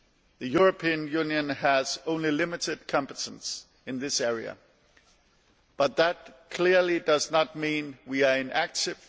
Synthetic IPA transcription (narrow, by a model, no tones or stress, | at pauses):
ðɨjʊɹɨpʰiɨ̃njʉ̃njɨ̃nəz̥õʊ̃nlilɪmɨɾɨd̚kʰɑ̃mpɨtʰə̃n̩s | ɨ̃nðɪsɛɹiɨ̰ | b̥ʌt̪̚ðət̚kʰl̥ɪɹlidʌznət̚mĩnwiə˞ɨ̃nʔæk̚tɪv̥